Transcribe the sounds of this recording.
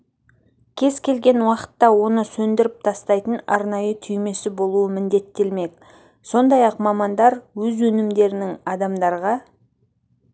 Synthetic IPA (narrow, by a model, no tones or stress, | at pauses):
kʲʰe̞zkʲʰe̞lɡʲe̞nwɑqə̥t̪ːɑwo̞nəsɵnd̪ɪɾɪp̚t̪ʰɑst̪ɑjt̪ənɑ̰ɾnɑjət̪ʰʏjme̞sɪbo̞lˠuəmɪnd̪e̞t̪ːelme̞k | so̞nd̪ɑjɑqmɑmɑnd̪ɑɾwɵzwɵnɪmd̪e̞ɾɪnɪŋɑd̪ɑmd̪ɑɾʁɑ